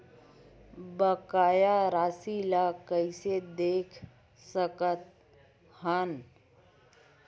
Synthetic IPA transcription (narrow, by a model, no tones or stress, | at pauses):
bəkaːjaɾaːsilakəɪsed̪eːkʰ | səkət̪̚ | hən